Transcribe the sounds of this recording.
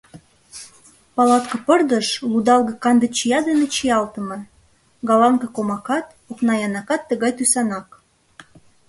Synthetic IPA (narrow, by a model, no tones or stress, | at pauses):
pɑlɑt̪kɤ̆pərd̪əʃlud̪ɑlɣɤ̆kɑnd̪ə̆t͡ɕijɑd̪enet͡ɕijɑlt̪ə̆mɤ̆ | ɡɑlɑŋkɤkomɑkɑt̪ | oknɑjɑnɑkɑt̪ːəɣɑjt̪ysɑnɑk